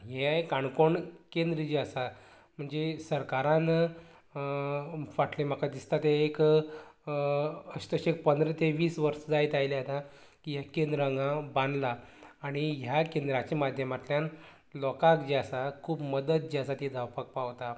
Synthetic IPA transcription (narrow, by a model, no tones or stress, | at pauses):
ɦeekãɳkoɳkend̪ɾəd͡ʑiasa | m̤əɳd͡zesəɾkaɾãn | ʋaʈlem̤akad̪ist̪at̪eːk | əɕt̪əɕek̚pənd̪ɾət̪eʋiːsʋəɾsəd͡zajt̪ajleat̪ãkijakend̪ɾəŋɡãbãnd̪laːɽ̃iɦjakend̪ɾat͡ɕemad̪ʱjəmat̪ljãn | lɔkakd͡ʑiasakʰuːpməd̪ət̪̚d͡ʑiasat̪id͡zawpak̚paʋt̪a